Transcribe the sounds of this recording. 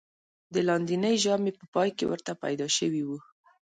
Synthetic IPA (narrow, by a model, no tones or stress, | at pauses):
d̪əlɑnd̪inəjʒɑmepəpɑjkḛwə̰ɾt̪apa̰jd̪ɑʃəwiwu